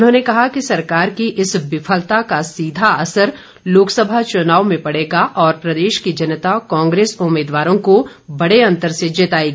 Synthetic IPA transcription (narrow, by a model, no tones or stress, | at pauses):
ʊnɦõːnekɐɦakisɐɾkaːɾkiʔɪsbɪfʰəlt̪akasiːd̪ʱaɐsəɾ | loːksəbʱat͡ʃʊnaːʋmẽpɐɽ̤eːɡaʔɔːɾpɾɐd̪eːʃkid͡ʒɐnət̪akɔ̃ːŋɡɾeːsʊmeːd̪ʋaːɾõko | bɐɽ̤eɐ̃nt̪əɾsed͡ʒeːt̪aːeɡ